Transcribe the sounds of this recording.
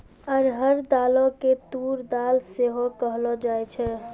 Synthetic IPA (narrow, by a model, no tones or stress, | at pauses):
əɾɦəɾd̪aloket̪uɾd̪alseɦokəɦlɔd͡ʒajt͡ʃʰɛ